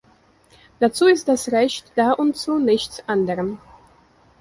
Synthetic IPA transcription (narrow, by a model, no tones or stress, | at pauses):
d̥at͡suːɪst̚d̥asʁɛçtd̥aːʔʊntt͡sunɪçt͡sʔandəʁəm